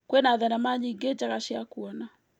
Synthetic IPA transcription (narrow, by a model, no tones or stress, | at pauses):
kwɛnaðanamaɲiɡed͡ʒaɣaʃɛakuɔna